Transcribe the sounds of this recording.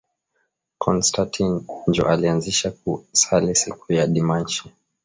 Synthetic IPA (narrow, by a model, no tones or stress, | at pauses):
kʰɔnstʰatʰind͡ʒɔ̰ʔalianziʃak̚usalisikujaɗimant͡ʃi